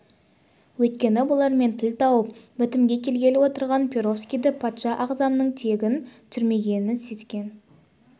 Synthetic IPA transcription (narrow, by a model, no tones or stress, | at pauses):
wɵt̪̚kʲe̞nɪbʊlˠɑɾme̞nt̪ʰɪlt̪ʰɑwəpmʏt̪ɪmɡʲe̞kʲʰe̞lɡʲe̞lɪwo̞t̪əɾʁɑnpʲʰeɾo̞fskʲijd̪ɪpʰɑt̪ʃɑʔɑqzɑmnəɴt̪ʰe̞ɡʲɪnt̪ʰʏɾme̞ɡʲe̞nɪnse̞skʲe̞n